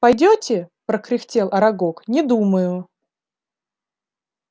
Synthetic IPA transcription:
pɐjdʲotʲɪpɾəkɾʲɪxtʲelˠʔɐɾɐɡoknʲɪd̪uməjʊ

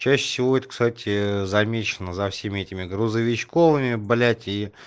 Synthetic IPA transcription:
t͡ɕæɕːɪ̥fsʲɪvo̞ɛt̪əkst̪atʲɪzɐmʲet͡ɕɪnəzɐfsʲemʲɪɛtʲɪmʲɪɡɾʊzəvʲɪt͡ɕkovɨmʲɪblʲætʲi

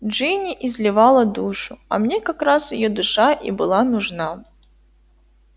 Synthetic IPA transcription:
dʐɨnʲɪʔɪzʲlʲɪvalˠəd̪uʂʊɐ̰mnʲekɐkɾasjɪ̰jod̪ʊʂaʔḭbɨlˠanʊʐna

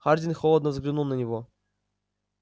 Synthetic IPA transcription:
χard̪ʲinʲxolˠəd̪nəvzɡlʲinulˠnɐnʲivo

